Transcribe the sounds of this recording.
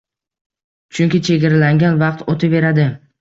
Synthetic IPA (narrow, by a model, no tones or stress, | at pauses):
t͡ʃʰʊŋkʲɪt͡ʃʰe̞ɡʲaɾalaŋɡʲanvɑq̚t̪ot̪ʰɪbe̞ɾad̪ɪ